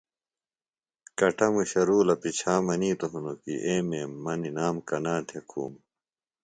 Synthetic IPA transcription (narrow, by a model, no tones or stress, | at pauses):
kɐʈɐmuɕɐɾuːlɐpit͡ɕʰaːmɐniːt̪oɦunokḭʔeːmeːmːɐninaːmkɐnaːt̪ʰekʰṵːm